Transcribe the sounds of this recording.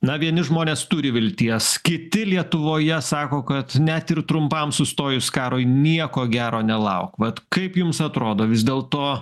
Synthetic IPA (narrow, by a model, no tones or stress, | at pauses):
nɐʋʲiɛnʲɪʒmoːnʲeːst̪ʊɾʲɪʋʲɪlʲt̪ʲiɛsskʲɪt̪ʲɪlʲiɛt̪ʊʋoːjɛsɑːkoːkɐt̪nʲɛt̪ɪɾt̪ɾʊmpɐmsʊst̪oːjʊskɑːɾoːjnʲiɛkoːɡʲæːɾoːnʲɛlˠɐʊkʋɐt̪kɐɪpjʊmsɐt̪ɾoːd̪oːʋʲɪzʲd̪ʲeːlˠt̪oː